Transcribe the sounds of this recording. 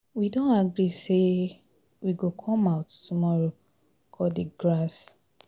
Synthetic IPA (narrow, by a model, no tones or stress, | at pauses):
widõnaɡɹise | wiɡokʰɔ̃maʊttumɔɹo | kʰɔdeɡɹas